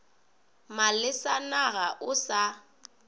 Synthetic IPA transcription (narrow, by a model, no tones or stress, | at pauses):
malɪsanaɣaʔʊsa